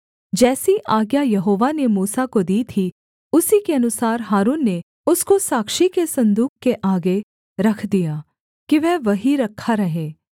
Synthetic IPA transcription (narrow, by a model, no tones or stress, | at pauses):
d͡ʒɛːsiʔaːɡjajɐɦoːʋanemuːsakod̪iːt̪ʰi | ʊsikeɐnʊsaːɾɦaːɾuːnːe | ʊskosaːkʃikesɐ̃nd̪uːkkːeʔaːɡe | ɾɐkʰd̪ijaː | kiʋɛːʋɐɦiɾɐkʰːaɾɐɦeː